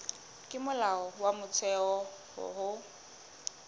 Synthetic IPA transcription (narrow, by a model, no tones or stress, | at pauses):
kʼɪmʊlaɔwamʊt͡sʰɛɔhʊ̰ɦʊ